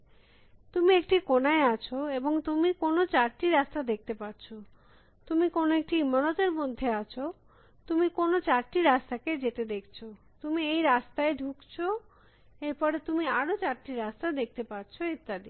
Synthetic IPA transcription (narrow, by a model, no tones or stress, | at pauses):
t̪umiekʈikonaeat͡ɕʰoeboŋt̪umikonot͡ɕaɾʈiɾast̪ad̪ek̚ʰt̪epaɾt͡ɕʰo | t̪umikonoek̚ʈiimːanot̪eɾmod̪ʱːeat͡ɕʰo | t̪umikonot͡ɕaɾʈiɾast̪aked͡ʑet̪ed̪ekʰt͡ɕʰo | t̪umiejɾast̪aeɖʱukt͡ɕʰo | eɾpɔɾet̪umiaɾot͡ɕaɾʈiɾast̪aed̪ek̚t̪epaɾt͡ɕʰoet̪ːad̪i